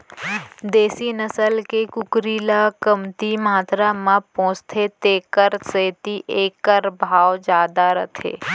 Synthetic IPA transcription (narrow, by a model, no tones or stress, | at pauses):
d̪eːsinəsəlkekʊkɾiːlakəmt̪imaːt̪ɾamãpõːt͡ʃt̪ʰet̪eːkəɾseːt̪iʔeːkəɾbʱaːwd͡ʒaːd̪aɾə̰t̪ʰḛː